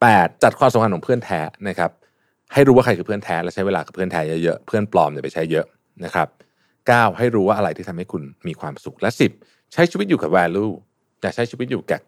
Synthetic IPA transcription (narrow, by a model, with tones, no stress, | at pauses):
pɛː˨˩t̪̚t͡ɕa˨˩t̪̚kʰwaː˧msa˨˦kʰa˧nkʰɔ˨˩˦pʰɯ˥˩ənt̪ʰɛː˦˥na˦˥kʰa˦˥p̚ | ha˥˩jɾuː˦˥waː˥˩kʰa˧jkʰɯː˧pʰɯ˥˩ənt̪ʰɛː˦˥lɛ˦˥wt͡ɕʰa˦˥jweː˧laː˧ka˨˩pʰɯ˥˩ənt̪ʰɛː˦˥jɤ˦˥jɤ˦˥pʰɯ˥˩ənplɔː˧mjaː˨˩pa˧jt͡ɕʰa˦˥jːɤ˦˥ʔ | na˦˥kʰɾa˦˥p̚ | kaː˥˩wha˥˩jɾuː˦˥waː˥˩ʔa˧ɾa˧jt̪ʰi˥˩t̪ʰa˧mha˥˩jkʰu˧nmiː˧kʰwaː˧msu˨˩k̚lɛ˦˥si˨˩p̚ | t͡ɕʰa˦˥jʰiː˧wi˦t̪̚juː˨˩kaː˨˩wɛː˧luː˥˩ | jaː˨˩k̚t͡ɕʰa˦˥t͡ɕʰi˧˦t̪̚uː˨˩kɛː˨˩k̚